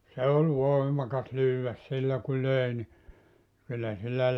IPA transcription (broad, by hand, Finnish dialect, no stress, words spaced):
se ol ʋoimɑkɑs lyːwʋæs silːæ ku løeˑ ni kylːæ silːæ